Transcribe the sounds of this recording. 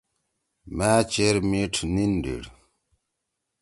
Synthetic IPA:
maːt͡ɕeɾmiʈʰninɖḭɽ

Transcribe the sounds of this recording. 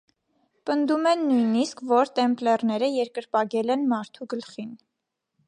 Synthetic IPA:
pənd̪umɛnːujniskʰvɔɾt̪ɛmplɛrnɛɾəjɛɾkəɾpɑɡɛlɛnmɑɾt̪ʰuɡəlχin

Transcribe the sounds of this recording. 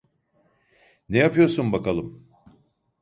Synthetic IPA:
nejapʰɯjo̞ɾsunbakalˠɯm

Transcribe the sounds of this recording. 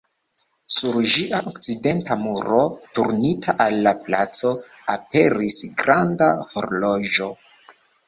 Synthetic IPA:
suɾʒiʔaʔokt͡side̞ntamuɾo̞tuɾnitʰaʔalːapla̰t͡so̞ | ape̞ɾisɡɾandaho̞ɾlo̞ʒo̞

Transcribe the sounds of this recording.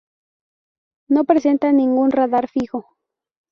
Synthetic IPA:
no̞pɾese̞nt̪anĩŋɡunraðaɾfixo

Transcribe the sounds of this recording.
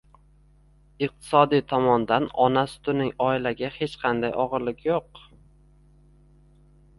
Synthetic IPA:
ɪq̚t̪ʰɪ̥sɒd̪ijt̪ʰɒmɒnd̪anɒnasʊ̥t̪ʊnɪŋɒɪlaɡʲahe̞t͡ʃqʰɑnd̪ajʔɒʁɨɾlɪkʲjoq

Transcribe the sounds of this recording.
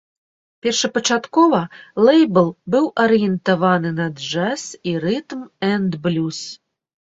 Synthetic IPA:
pʲɛrʂɐpɐt͡ʂat̪kɔvɐlˠɛjbɛlˠbɨwʔɐɾɨjɛnt̪avanɨnɐd̪ʐɛsiɾɨt̪mɛnd̪blʲus

